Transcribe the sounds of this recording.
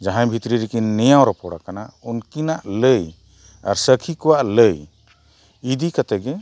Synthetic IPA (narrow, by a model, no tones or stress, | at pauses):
d͡ʒaɦãjbʱit̪ɾiɾikinːɛjawɾɔpɔɽakanaunkinaʔləj | a̰ɾsəkʰikɔwaʔləj | id̪ikat̪ɛɡɛ